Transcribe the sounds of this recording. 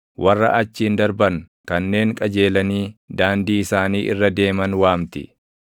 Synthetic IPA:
wʔɐrːɐ̰ʔɐt͡ʃːiːnd̪ɐɾbɐŋ | kɐnːe̞ːŋkʼɐd͡ʒe̞ːlɐniːd̪aːnd̪iːɪsaːniːʔɪ̰rːɐd̪e̞ːmɐnwaːmt̪ɪ

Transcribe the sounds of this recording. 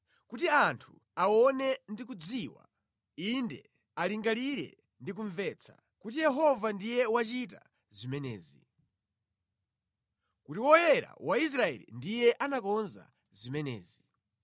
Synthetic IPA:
kutiantʰu | aɔnɛndik̬ud͡ziwa̰ | indɛ̰ | aliŋɡaliɾɛ̰ | ndik̬uɱvɛt͡sʰḁ̰ | kutijɛɦɔvandijɛwat͡ʃita | zimɛnɛ̰ːzi | kutiwɔjɛɾa̰wʔais̬ɾaɛ̰lḭndijɛʔanakɔnza̰ | zimɛnɛ̰ːzi

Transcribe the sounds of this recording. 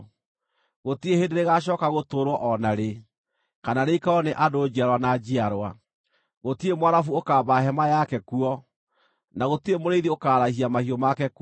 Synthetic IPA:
ɣotiehendeɾeɣaɕ̬ɔːkaɣotoːɾwɔʔɔnaɾe | kananeikaɔneʔadoːd͡ʑiaɾwanad͡ʑiaɾwa | ɣotiemowaɾafuokaːbaɦɛmajakɛkuɔ | naɣotiemoɾeiðiokaːɾahiamahiɔmakɛk

